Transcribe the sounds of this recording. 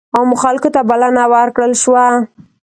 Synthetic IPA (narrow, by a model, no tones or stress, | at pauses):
awmʊxalkot̪abalanawəɾkɽəlʃwa